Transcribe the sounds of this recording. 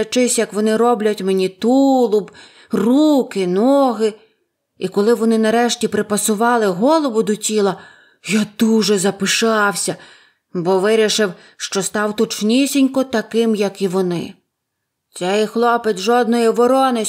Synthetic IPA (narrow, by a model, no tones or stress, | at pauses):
ɐt͡ʃɪsʲjɐkʋɔnɪɾɔblʲɐtʲmenʲit̪ulˠʊb | rukɪnɔɦɪ | ikɔlˠɪʋɔnɪnɐɾɛʃtʲipɾɪpɐsʊʋɑlˠɪɦɔlˠɔʋʊd̪ʊtʲilˠɐ | jad̪uʒɛzɐpɪʃɑwsʲɐ | bɔʋɪɾʲɪʃɪw | ʃt͡ʃɔst̪ɑwt̪ɔt͡ʃnʲisʲinʲkɔt̪ɐkɪmjɐkiʋɔnɪ̰ | t̪t͡s̪ɛjxlˠɔpet̪ʲʒɔd̪nɔjɔʋɔɾɔnɪ